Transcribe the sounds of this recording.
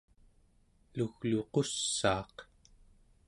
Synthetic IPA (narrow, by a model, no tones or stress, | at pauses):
luɣluqosːɑːq